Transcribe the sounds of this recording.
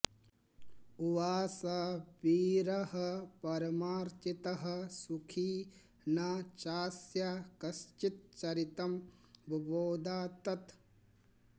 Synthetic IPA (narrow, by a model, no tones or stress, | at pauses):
uʋaːsɐbiːɾɐɦɐpɐɾɐmaːɾt͡ʃit̪ɐɦɐ̆sukʰiː | nat͡ʃaːsjakɐst͡ʃit̪̚t͡ʃɐɾit̪ɐmbʱboːd̪aːt̪ɐt̪